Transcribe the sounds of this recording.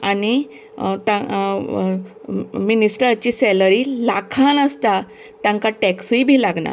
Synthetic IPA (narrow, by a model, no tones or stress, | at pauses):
ani | t̪ã | minisʈəɾt͡ɕiːsɛləɾilakʰanəst̪a | t̪jãŋkaʈɛksʋibʱiːlaɡna̰